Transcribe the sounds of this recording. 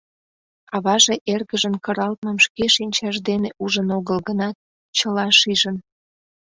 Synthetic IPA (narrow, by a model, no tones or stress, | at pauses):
ɑβɑʒeʔerɣəʒənkəɾɑlt̪̚məmʃkeʃinʲt͡ɕɑʒd̪eneʔuʒənoɣəlɣənɑt̪̚ | t͡ɕəlɑʃiʒən